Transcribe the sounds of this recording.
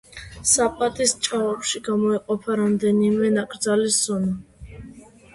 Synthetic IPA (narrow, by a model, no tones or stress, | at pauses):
sapʼat̪ʼist͡ʃʼaɔpʃiɡamɔɛqʼɔpʰaɾamd̪ɛnimɛnakʼɾd̪zalisz̥ɔna